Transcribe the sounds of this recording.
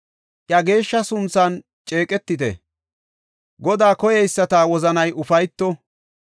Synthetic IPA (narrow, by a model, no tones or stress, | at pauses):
ʔjɐɡe̞ːʃːɐsʊnsɐn | t͡ʃʼe̞ːkʼɛt̪ːɪt̪ɛ̰ | ɡɔd̪aːkɔjɛjsːɐt̪aːwɔzɐnɐjʔʊfɐjt̪ːɔ